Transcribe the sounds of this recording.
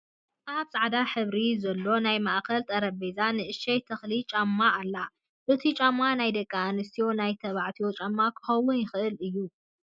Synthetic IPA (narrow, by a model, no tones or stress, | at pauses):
ʔaβsʼaʕd̪aħɨβɾizɐlːo̞najmaʔkɐlt̪ʼɐɾɐbezanɨʔɨʃɐjt̪ʰɐxlit͡ʃʼamːaʔːlːa | ʔɨt̪ʰit͡ʃʼamanajd̪ɐkʼːaːnɨst̪ʰijo̞najt̪ʰɐβaʕt̪ʰiot͡ʃʼamːakʰɨ̥xɐwʊnjɪxɨʔɨlɨjːu